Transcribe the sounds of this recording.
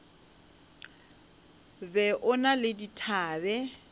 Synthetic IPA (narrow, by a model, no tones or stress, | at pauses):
bɛʔʊnalɪditʰaːbɛ